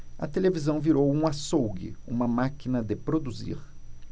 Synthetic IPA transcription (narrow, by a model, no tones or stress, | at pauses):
ɐ̰t̪elevizɐ̃w̃viɾowũasowɡɪ̰ṵ̃mɐmakinɐd̪ɪpɾod̪uzḭɾ